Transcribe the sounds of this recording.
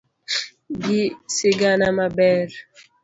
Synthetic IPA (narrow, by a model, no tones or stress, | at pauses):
ɡisiɡanamabɛɾ